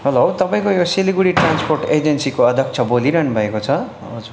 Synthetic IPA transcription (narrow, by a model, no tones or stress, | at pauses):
ɦʌlowt̪ʌpaĩkojosiliɡuɽiʈransporʈed͡zensikoʌd̪ʱʌk̚t͡sʰʌboliɾʌnubʱʌekot͡sʰʌ | od͡zu